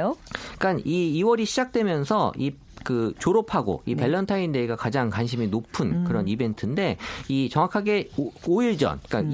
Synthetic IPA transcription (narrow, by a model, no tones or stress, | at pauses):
jok͈aniːwʌɾiɕʰid͡ʑak̚t͈we̞mjʌnsʰʌi | kɯt͡ɕoɾopʰaɡo̰ipe̞ɭːʌntʰainde̞iɡakad͡ʑaŋkwanɕʰiminopʰunkɯɾʌnibe̞ntʰɯnde̞it͡ɕʌŋwakʰaɡe̞oiɭd͡ʑʌ̰nik͈a